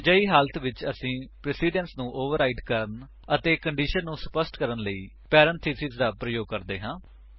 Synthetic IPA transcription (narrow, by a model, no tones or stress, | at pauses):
d͡ʒəiːɦaːlət̪ʰʋɪt͡ʃəsĩːpɾɛsiːɖənsnũːʔoːʋəɾaːiːɖkəɾən | ət̪eːkəɳɖiːʃənːũːsə̥pəsʈkəɾənləiː | pɛːɾənt̪ʰiːsɪzd̪aːpɾəjoːɡ̚kəɾd̪eːɦãː